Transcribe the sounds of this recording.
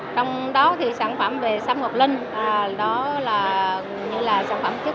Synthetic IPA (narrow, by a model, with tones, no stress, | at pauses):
t͡ɕɔ˧wŋ͡mɗɔ˨˦t̪ʰi˨˩saː˧˩nfə˧˩mve˨˩saː˦˥p̚ŋo˨˩t̚lï˧ŋ̟ʔɗɔ˨˦laː˨˩ | ɲɨ˧laː˨˩saː˧˩˨nfə˧˩˨mt̪ʰi˦˥